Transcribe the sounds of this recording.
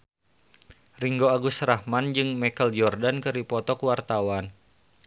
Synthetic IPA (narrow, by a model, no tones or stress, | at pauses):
riŋɡoaɡusɾahmand͡ʒɨŋmɛkəld͡ʒɔrdankəɾipɔt̪ɔkəwart̪awan